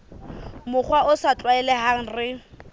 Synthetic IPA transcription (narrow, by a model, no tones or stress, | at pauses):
mʊχwaʊsat͡ɬʼwaɛlɛɦaŋ̩rɪ